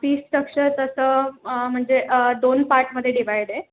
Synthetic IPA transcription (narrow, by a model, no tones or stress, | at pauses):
piːsʈəkʂəɾt̪əsəːm̤əɳd͡zed̪onpaɾʈməd̪ʱːjeɖiʋ̤ajɽe